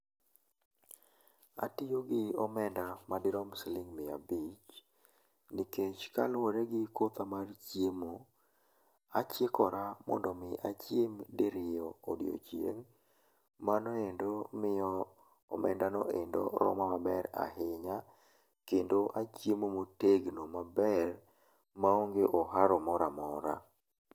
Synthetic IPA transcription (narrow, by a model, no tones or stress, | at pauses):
a̰tɪjoɡɪɔmɛndamadɪɾɔmslɪŋmɪabit͡ʃ | nɪket͡ʃka̰loɾeɡɪkot̪amart͡ʃjemo | at͡ʃjekɔɾamɔ̰ndɔmɪʔa̰t͡ʃjemdeɾɪjɔːdɪ̰o̰t͡ʃjḛŋ | manɔendomɪjɔ | ɔ̰mɛ̰ndanɔʔendo̰ɾɔ̰mamabɛɾa̰ɦɪɲa | kendoʔat͡ʃjemomoteɡnomabɛr | maoŋɡeʔɔɦaɾɔmɔɾamɔɾa̰